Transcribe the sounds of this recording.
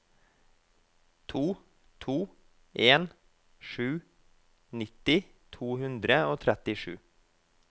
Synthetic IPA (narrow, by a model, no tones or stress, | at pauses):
t̪ʰuː | t̪ʰuː | ʔeːn | ʃʉː | nɪt̪ɪ | t̪ʰuːhʉnd̪ɾəoːt̪ʰɾɛt̪ɪʃʉ̰ː